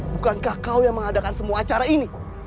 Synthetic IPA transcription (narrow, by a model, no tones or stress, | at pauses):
bukankahkawjaŋməŋadakansəmuaːt͡ʃaɾaini